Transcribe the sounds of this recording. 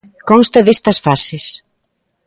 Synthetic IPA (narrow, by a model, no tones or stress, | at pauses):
kɔnst̪ɐðest̪ɐsfases